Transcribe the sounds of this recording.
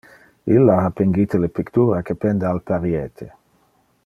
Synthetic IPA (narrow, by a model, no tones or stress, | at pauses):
ilːaapeŋɡit̪elepikt̪uːɾakepɛnd̪ealpaɾjet̪ʰe